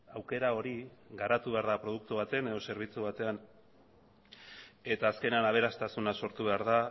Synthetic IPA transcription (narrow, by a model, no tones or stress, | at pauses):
awke̞ɾao̞ɾiɣaɾat̪uβe̞aɾðapɾo̞ðuk̚t̪uβat̪e̞ne̞ðo̞se̞ɾβ̞it͡suβ̞at̪e̞an | e̞t̪aːske̞neanaβ̞e̞ɾast̪asunaso̞ɾt̪uβe̞aɾða